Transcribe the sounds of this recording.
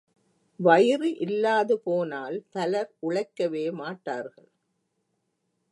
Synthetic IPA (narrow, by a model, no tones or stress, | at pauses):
ʋɐjɪriʔɪlːaːðɯpoːnaːlt̪ɐlɐɾʔʊɻɐɪkːɐʋeːmaːʈːaːɾɣɐɭ